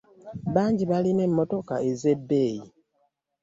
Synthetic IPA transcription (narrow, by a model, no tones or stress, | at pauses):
βaːɲɟiβaline̞mːo̞to̞kae̞ze̞bːe̞ːji